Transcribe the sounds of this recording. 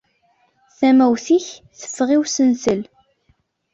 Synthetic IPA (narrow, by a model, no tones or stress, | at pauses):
θæmæwθiçθə̥fːʁiwsənsəl